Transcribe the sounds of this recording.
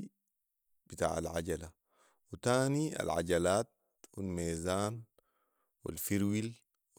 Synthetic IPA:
b̥it̪a̰ːʕa̰lʕaɟala | wit̪aːnia̰lʕa̰ɟalaːt̪̚ | wilmeːzaːn | wḭlfiɾwil | w

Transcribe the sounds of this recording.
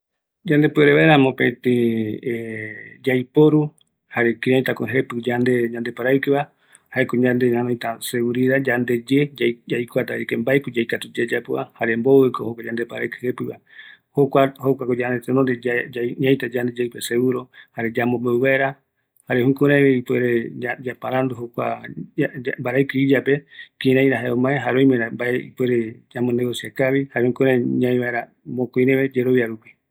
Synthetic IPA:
d͡ʒand̪epɨaɾeβaeɾãmõpẽt̪ĩed͡ʒajpoɾu | haɾe̞kiɾãj̃t̪akoɦepɨd͡ʒand̪eɲãnd̪e̞paɾaikɨβa | haekoɲãnd̪eɲãnõjt̪aseuɾiðad͡ʒand̪e̞d͡ʒead͡ʒajkʷat̪aikembaepɨd͡ʒajkat̪ud͡ʒed͡ʒapua̰haɾemboekohokʷad͡ʒand̪epaɾa̰ɨkɨ̥hepɨβa̰ | hokʷahokʷakod͡ʒand̪et̪enond̪eaɲãj̃t̪ad͡ʒand̪ed͡ʒaɨpeseɣuɾohaɾed͡ʒamõmbeuβaeɾa | haɾehũkũɾãβeɨpweɾead͡ʒapaɾand̪uɦokʷa̰ | mbaɾaɨkɨid͡ʒape̞kĩɾãj̃ɾaɦaeõmãeɦaɾoj̃mẽɾambaeḭpweɾed͡ʒamõneɣosiakaβihaɾehũkuɾãɲãĩβaeɾa | mõkuĩɾẽβed͡ʒeɾoβjaɾupi̥

